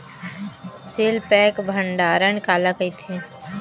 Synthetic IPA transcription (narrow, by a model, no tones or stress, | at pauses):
seːlpɛːkbʱəɳɖaːɾəɳkaːlakəit̪ʰe